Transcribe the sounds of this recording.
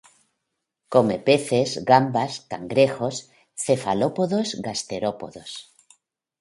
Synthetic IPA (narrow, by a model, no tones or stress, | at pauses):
komepeθezɣambaskaŋɡɾexos | θefalopoðozɣast̪eɾopoðos